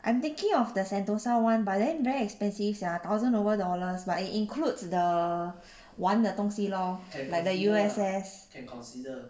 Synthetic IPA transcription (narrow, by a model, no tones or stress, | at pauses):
ʔãj̃mt̪ĩŋkĩŋɔfdəsɛ̃ntosawãnbadɛ̃nvɛɹiɛkspɛ̃nsifdɛat̪awzə̃novədɔləsbatitĩŋkʰludsdə | wãndətɔ̃ŋsilɔlaɪk̚dəjuɛsɛs